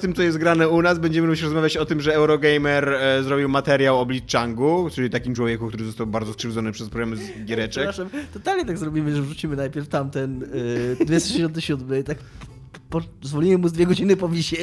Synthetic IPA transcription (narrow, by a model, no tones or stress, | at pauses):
t̪ɘmt̪sɔjɛst̪̚ɡɾanɛunasbɛɲd͡ʑɛmɘɾuat͡ɕɾɔzmavʲat͡ɕɔt̪ɘmʐɛɛwɾɔɡɛjmɛɾzɾɔbʲiwmat̪ɛɾʲjawɔblʲit̪̚t͡ʂaŋɡut͡ʂɘlʲit̪akʲimt͡ʂwɔvʲɛkukt̪uɾɘzɔst̪awbaɾd̪ɔskʂɘvd̪zɔnɘpʂɛspɾɔɡɾamzɡʲjɛɾɛt͡ʂɛt̪ɔt̪alɲɛt̪aɡzɾɔbʲimɘʐɛvʐut͡ɕimɘnajpʲɛɾft̪amt̪ɛndd̪vʲɛst̪ɔʃʂd͡ʑɪɕɔnt̪ɪɕud̪mɘt̪ak | pɔzvɔlʲimɘmuzd̪vʲjɛɡɔd͡ʑinɘpɔvʲiɕɛ